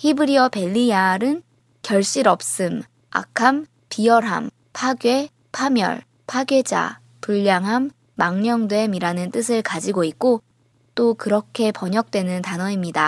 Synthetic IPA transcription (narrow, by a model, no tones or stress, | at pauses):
hibɯɾiʌpe̞ʎːiaɾɯn | kjʌɭɕ͈iɾʌp̚s͈ɯm | a̰kʰam | piʌɾɦa̰m | pʰaɡje̞ | pʰamjʌ̰ɭ | pʰaɡje̞d͡ʑa̰ | puʎːaŋɦamː | aŋɲʌŋdwe̞miɾanɯnt͈ɯs̬ʰɯɭkad͡ʑiɡoitk̚k͈o | t͈okɯɾʌkʰe̞pʌɲʌk̚t͈we̞nɯntanʌimɲida